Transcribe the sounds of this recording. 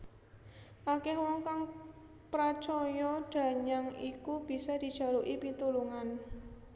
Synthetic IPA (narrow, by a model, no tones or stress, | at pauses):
ʔakɛhwɔŋkaŋ | pɾḁt͡ʃɔjɔɖ̥ä̤ɲaŋikub̥i̤sɔd̪̥i̤d̥ʒ̥a̤luʔipit̪uluŋan